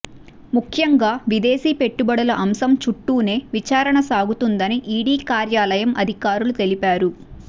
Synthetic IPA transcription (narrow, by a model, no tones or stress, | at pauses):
mukʰjɐŋɡaːʋid̪e̞ːsiːpe̞ʈːubɐɽɐlɐʔɐmsɐmt͡ʃuʈːuːne̞ːʋit͡ʃaːɾɐɳɐsaːɡut̪und̪ɐniʔiːɽiːkaːɾjaːlɐjɐmʔɐd̪ʱikaːɾulut̪e̞lipaːɾu